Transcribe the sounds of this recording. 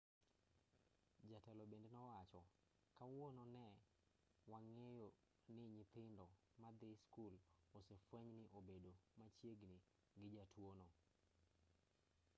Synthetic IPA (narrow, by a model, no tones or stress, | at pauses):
d͡ʒatɛlɔbendenɔwat͡ʃɔ | kawononɛ | waŋejo | nɪɲɪt̪ɪndɔ | mad̪ɪskulosefwɛɲnɪʔobedomat͡ʃjeɡnɪ | ɡɪd͡ʒatwono